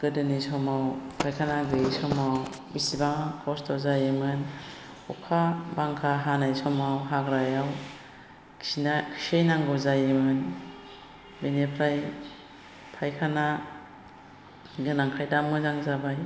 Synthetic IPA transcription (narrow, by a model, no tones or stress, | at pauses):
ɡ̥ɯdɯnisɔmawpʰajkʰanaɡɯsɔmaw | bisibaŋkʰɔstɔzajɯmɯn | ɔkʰabaŋkʰaɦanajsɔmawɦaɡɾajaw | kʰinakʰsejnaŋɡɔzajɯmɯn | benepʰɾaj | pʰajkʰana | ɡɯnaŋkʰajdamɯzaŋzabaj